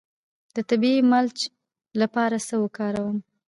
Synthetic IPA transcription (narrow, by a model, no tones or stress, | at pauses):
d̪̥ət̪abiimalt͡ʃ | lapɑɾasəwəkɑɾawəm